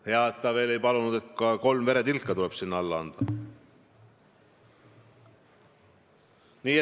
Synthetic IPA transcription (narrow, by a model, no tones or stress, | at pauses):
he̞ɑt̪ːˑɑve̞ːle̞jpɑlunud̪̥e̞t̪kɑko̞lmve̞ɾe̞t̪ilkːˑɑt̪ule̞b̥sinːɑlːɑɑ̰nd̪̥ɑ | niːe